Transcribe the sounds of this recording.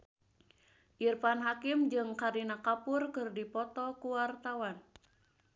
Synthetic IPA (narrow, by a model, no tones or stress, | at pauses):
ʔirpanɦakɪmd͡ʒɨŋkaɾinakapʊrkɨrdipɔt̪ɔkuwart̪awan